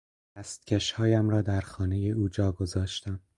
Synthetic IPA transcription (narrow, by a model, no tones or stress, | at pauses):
d̪̥æst̪̚cʰʲeʃhɒːjæmɾɒːd̪æɾxɒːne̞je̞ʔuːd͡ʒɒːɡo̞zɒːʃt̪æm